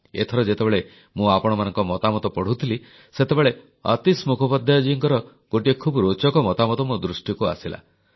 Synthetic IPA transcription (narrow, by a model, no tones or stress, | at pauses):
ḛt̪ʰɔɾɔd͡ʒet̪ebeɭe | mũapɔɽ̃ɔmanɔ̃ŋkɔmɔt̪amɔt̪ɔpɔɽ̤ut̪ʰili | set̪ebeɭe | a̰t̪ismukʰɔpɔd̪ʱjad͡ʒujɔŋkɔɾɔ | ɡ̥oʈiekʰubɾot͡ʃɔkɔmɔt̪amɔt̪ɔmɔd̪ɾusʈjikua̰sila̰